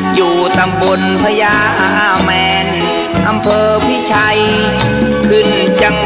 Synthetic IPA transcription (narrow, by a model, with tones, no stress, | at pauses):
juː˨˩t̪a˧mbo˧npʰa˧jaː˧ʔa˧ʔaː˧˩mɛː˧n | ʔa˧mpʰɤː˧pʰi˦˥˩t͡ɕʰa˧j | kʰɯ˧˩n | t͡ɕa˧ŋ